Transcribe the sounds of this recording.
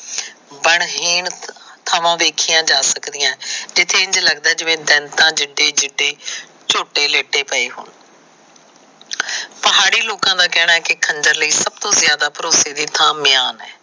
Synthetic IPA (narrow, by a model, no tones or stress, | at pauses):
bəɳɦiːɳt̪ʰaːʋãːʋeːkʰijãːd͡ʒaːsəkd̪ɪjãːd͡ʒɪt̪ʰːeːɪɲd͡ʒləɡd̪aːd͡ʒɪʋẽːd̪ɛnt̪ãːd͡ʒɪɖeːd͡ʒɪɖeː | t͡ʃoːʈeːleːʈeːpəeːɦo̰ːn | pəɦaːɽiːloːkãːd̪aːkɛːɽ̃aːɦɛːkɪkʰənd͡ʒəɾləiːsəb̚t̪õːzɪjaːd̪aːpəɾoːseːd̪iːt̪ʰãːmɪjaːnɛː